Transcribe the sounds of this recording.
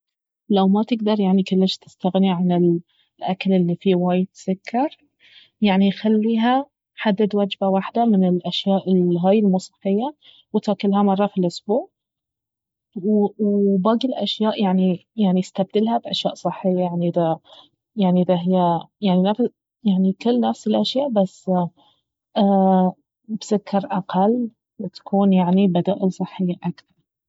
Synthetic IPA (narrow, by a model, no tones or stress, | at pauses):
lawmat̪ɪɡd̪ɑɾˤjaʕnikʊlːɪʃt̪ɪ̥st̪aɣniʕanɪl | ʔakalʔɪlːifiwaːjt̪sʊkʰːɑɾˤ | jaʕnijxalːiːɦa | ħad̪ːɪd̪wad͡ʒbawaħd̪amɪnɪlʔaʃjaːʔɪlɦaːjɪlmuːsˤɨ̥ħːɪjːa | wɪt̪aːkɪlɦamɑrˤːɑfilʔʊsbuːʕ | wwbaɡlʔaʃjaːʔjaʕnijaʕnist̪ab̚d̪ɪlhabʔaʃja̰ːʔsˤɨħːɪjːajaʕniʔɪða | jaʕniʔɪðaɦɪjːajaʕninaf | jaʕnikɪlːnafsɪlʔaʃjaːʔbasː | ʔa | bsʊkʰːɑɾˤʔaqʰɑl | t̪ḁkʰuːnjaʕnibad̪aːʔɪlsˤɨħːɪjːaʔakθɑɾˤ